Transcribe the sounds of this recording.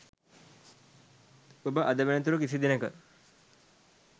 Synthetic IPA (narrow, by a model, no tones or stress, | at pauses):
obəʔad̪əʋenət̪̬uɾukisid̪inəkə